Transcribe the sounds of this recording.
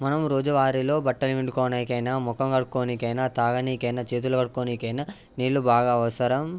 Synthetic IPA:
mɐnɐmɾoːd͡ʒɐʋaːɾilo̞ːbɐʈːɐlʋiɳɖukɔːnɐjkɐjnaːmɔkɐmkɐɽukoːnikɐjnat̪aːɡɐniːkɐjnɐt͡ʃeːt̪̬ulɐkɐɽukoːnikɐjnaː | niːɭːubaːɡaːɐʋɐsɐɾɐm

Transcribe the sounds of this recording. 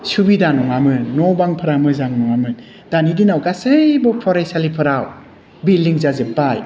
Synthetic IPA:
subidanɔŋamɯnːɔbaŋpʰɯɾamɯzaŋnɔŋamɯn | danidinawɡasɯjbɔpʰɔɾajsalipʰɯɾaw | bildiŋzazɯbaj

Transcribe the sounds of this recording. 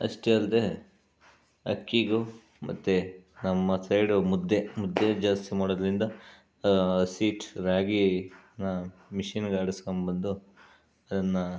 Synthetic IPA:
ɐ̰ʂʈeɐld̪e̞ | ɐ̰kːiɡu | mɐt̪ːenɐmːɐsɐjɖumud̪ːemud̪ːed͡ʒaːst̪imaːɽod̪ɾind̪ɐ | siːʈɾaːɡinɐmiʂinɡaːɽiskombɐnd̪u | ɐd̪ɐnːɐ

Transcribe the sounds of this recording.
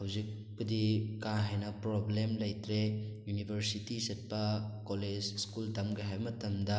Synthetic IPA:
hɐwzik̚ | pɐdikãɦajnɐpɾoblemlɐjtɾejunibʱɐɾsitisɐt̚pɐkoled͡ʒskultɐmɡɐɦajbɐmɐtɐmdɐ

